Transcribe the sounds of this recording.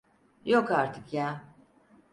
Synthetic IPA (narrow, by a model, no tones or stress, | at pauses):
jo̞kaɾt̪ʰɯkʰjaː